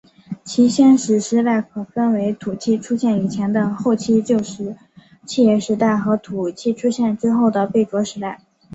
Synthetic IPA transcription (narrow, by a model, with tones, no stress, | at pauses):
t͡ɕʰi˧˥ɕjɛ˥nʂɻ̩˧˥ʂɻ̩˧˥t̪a˥˩ɪkʰə˨˩fə˥nwe˧˥ɪt̪ʰu˨˩t͡ɕʰi˥˩ʈ͡ʂʰu˥ɕjɛ˥˩ni˨˩t͡ɕʰjɛ˧˥nd̪ə˧xo˥˧ʊt͡ɕʰi˥˧t͡ɕjo˥˧ʊʂɻ̩˧˥ | t͡ɕʰi˥˧jɛ˥˩ʂɻ̩˧˥t̪a˥˩ɪxɤ˧˥t̪ʰu˨˩t͡ɕʰi˥˩ʈ͡ʂʰu˥ɕjɛ˥˩nʈ͡ʂɻ̩˥xo˥˩ʊd̪ə˩pe˥˩ɪʈ͡ʂwɔ˧˥ʂɻ̩˧˥t̪a˥˩ɪ